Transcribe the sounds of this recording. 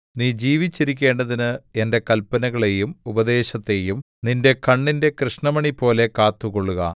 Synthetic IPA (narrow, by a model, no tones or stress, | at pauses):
niːd͡ʑiːʋit͡ɕːiɾikʲːe̞ːɳɖɐðinɨe̞nde̞kɐlpɐnɐɣɐɭe̞jumubɐd̪e̞ːɕɐt̪ːe̞jum | ninde̞kɐɳːinde̞krɨʂɳɐmɐɳipo̞ːle̞kaːt̪ːuko̞ɭːuɣɐ̰